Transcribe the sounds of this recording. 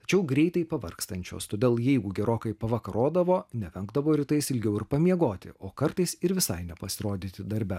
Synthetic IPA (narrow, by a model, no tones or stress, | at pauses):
t̪ɐ̥t͡ʃʲɛʊɡɾʲɛɪt̪ɐɪpɐʋɐ̰rkst̪ɐnʲt͡ʃʲo̰ːst̪oːd̪ʲeːlˠjɛɪɡʊɡʲɛɾoːkɐɪpɐʋɐkɐɾoːd̪ɐʋoːnʲɛʋʲɛŋɡd̪ɐʋoːɾʲɪt̪ɐɪsɪlʲɡʲɛʊɪɾpɐmʲiɛɡoːt̪ʲɪ̰ʔoːkɐɾt̪ɐɪsɪɾʋʲɪsɐɪnʲɛpɐsʲɪɾoːd̪ʲɪt̪ʲɪd̪ɐɾʲbʲɛ